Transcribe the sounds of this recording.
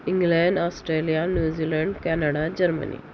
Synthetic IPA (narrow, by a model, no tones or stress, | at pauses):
ĩŋɡlɛ̃ɳɖɔsʈɾelijanjuːd͡ʑilɛɳɖkɛnaɽad͡ʑəɾmə̰nḭ